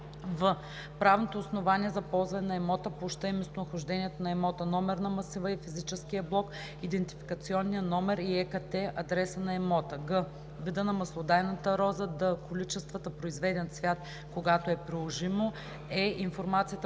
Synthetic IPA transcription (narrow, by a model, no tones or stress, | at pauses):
və | pɾavnot̪oːsnovaniɛzɐpɔlˠzvɐnɛnɐɛmɔt̪əpoʃt̪əimɛst̪onɐxʊʒd̪ɛnʲiɛt̪onɐɛmɔt̪ənɔmɛɾnɐmɐsivəifizit͡ʃɛsk̟iəblˠɔk | id̪ɛnt̪ifi̥kət̪siɔnːijənɔmɛɾiɛkɐt̪ɛɐd̪ɾɛsənɐɛmɔt̪əɡə | vid̪ənɐmɐslˠod̪ajnət̪əɾɔzəd̪əkolit͡ʃɛst̪vət̪əpɾoizvɛd̪ɛnsvʲjat̪̚ | koɡat̪oɛpɾilˠoʒimo | ɛinfoɾmat̪sijət̪